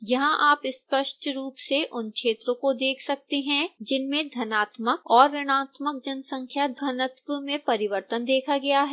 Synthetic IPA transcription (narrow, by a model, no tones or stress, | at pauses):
jɐɦãʔaːpɪspɐʃʈʰɾuːpseʔʊnkʃeːt̪ɾõkod̪eːkʰsɐk̚t̪eɦɛ̃d͡ʒɪnmẽd̪ʱɐnaːt̪məkɔːɾːɐɽ̃aːt̪mək̚d͡ʒɐnsɐ̃ŋkʰjad̪ʱɐnət̪ʋəmẽpɐɾɪʋəɾt̪ənd̪eːkʰaɡɐjaɦɛː